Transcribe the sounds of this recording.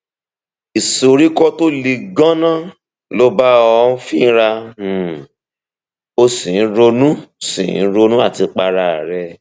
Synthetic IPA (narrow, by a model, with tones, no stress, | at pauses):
i˨so˧ɾi˦kɔ˦to˦li˧ɡã˦nã˦˨ | lo˧˦ba˦ɔ˧˦fĩ˦ɾa˧˨ | o˧sĩ˨˦ɾo˧nũ˦sḭ̃˨˦ɾo˧nũ˦a˦˨ti˧k͡pa˧ɾa˧˨ɾɛ˧˦